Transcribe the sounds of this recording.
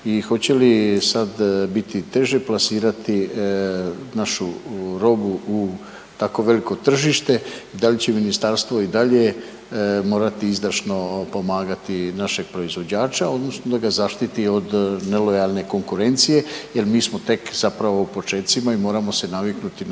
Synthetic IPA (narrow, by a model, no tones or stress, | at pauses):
ixo̞t͡ɕe̞lisad̪bit̪it̪e̞ʒeplasiːɾat̪i | naʃuɾo̞buu | t̪ako̞ʋe̞liko̞t̪r̩ʒiʃt̪e̞id̪alit͡ɕeminist̪aɾst̪ʋo̞id̪aʎe̞ | mo̞ːɾat̪iizd̪aɾʃno̞po̞maːɡat̪inaʃe̞ɡ̥̚pɾo̞izʋo̞d͡ʑaːt͡ʃao̞d̪no̞snod̪aɡazaʃt̪it̪io̞d̪ne̞lo̞jalˠne̞ko̞ŋkuɾe̞nt̪sije̞je̞lmiːsmo̞t̪e̞kzapɾaʋo̞upo̞t͡ʃe̞ːt̪simaimo̞ːɾamo̞se̞namiknut̪in